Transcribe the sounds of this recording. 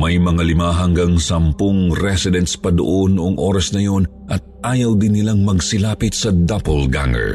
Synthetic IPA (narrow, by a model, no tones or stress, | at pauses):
mɐjmɐŋalɪmaɦɐŋɡaŋsɐmpoŋɾɛsɪd̪ɛnt̪spɐd̪o̰ʔo̞nːoʔoŋʔoːɾɐsnɐjo̞n | ʔɐt̪̚ʔaːjɐwd̪ɪnːɪlaŋmɐɡsɪlaːpɪt̪sɐd̪ɐpɐlɡa̰ŋɛ̰ɹ